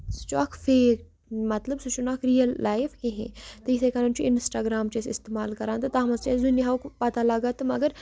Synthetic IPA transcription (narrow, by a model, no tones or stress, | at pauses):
st͡ʃɔːkfeːk | mɐt̪ləbsut͡ʃunaːkɾijəlːaːjfhẽɦḛ̃t̪ɐisekɐnɐnt͡ʃʰuʔɪnsʈaːɡɾaːmt͡ʃesɪst̪eːmaːlkɐɾãːnt̪ɐt̪aːmɐzt͡ʃeːsd̪unjɦaukpɐt̪alɐɡaːt̪ɨmɐɡəɾ